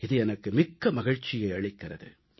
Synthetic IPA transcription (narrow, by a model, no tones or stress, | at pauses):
ɪðɯɛnɐkːɯmɪkːɐmɐɣɪɻt͡ʃːɪjɐɪɐɻɪkːɪrɐðɯ̰